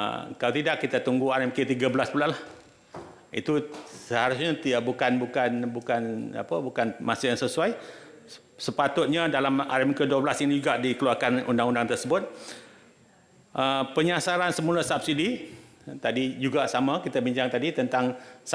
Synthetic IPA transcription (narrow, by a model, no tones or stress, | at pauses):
kalat̪idaʔkːit̪at̪uŋɡuaɾɛmkət̪iɡabəlaspulahlah | ḭt̪usəhaɾʊsɲat̪iaʔbukanbukanbukana̰pəbukanmasajaŋsəsuaj | səpat̪ʊt̪̚ɲadalama̰ɾɛmkəduəbəlasinid͡ʒuɡaʔdikəluarkanṵndaŋundaŋt̪ərsəbʊt̪̚ | ʔəpəɲasaɾansəmulasap̚sidi | t̪adid͡ʒuɡaʔsamakit̪abiɲd͡ʒaŋt̪adit̪ənt̪aŋs